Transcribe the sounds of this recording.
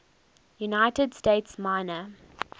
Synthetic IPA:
junaɪtədsteːtsmaɪnə

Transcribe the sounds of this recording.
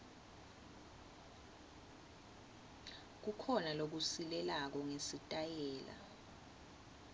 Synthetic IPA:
k̬ukʰɔnalok̬usilɛlak̬ɔŋesitʼajɛːla̰

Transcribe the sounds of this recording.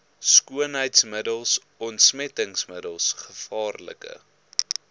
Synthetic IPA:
skuənɦəjtsmədəlˠs | ɔntsmɛtəŋsmədəlˠsχəfɑːrlə̰kə̰

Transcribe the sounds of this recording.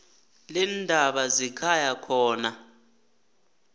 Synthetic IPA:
lindʱaɓazikʰajakʰɔːna

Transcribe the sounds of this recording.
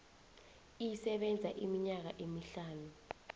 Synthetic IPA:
ijisɛɓɛnd͡zʱaʔimiɲak̬aʔemiɬaːnu

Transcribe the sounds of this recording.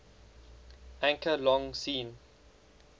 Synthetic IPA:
ʔæ̃ŋkʰəlɔ̃ŋsĩːn

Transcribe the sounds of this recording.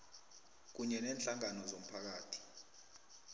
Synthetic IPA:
k̬uɲɛnɛːnɬaŋanɔzom̩pʰak̬aːtʰi̥

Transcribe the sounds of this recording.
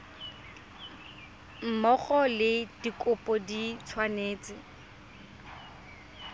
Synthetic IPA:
m̩mɔχɔlɪd̥ikʼʊpʼɔdit͡sʰwaneːt͡sɪ

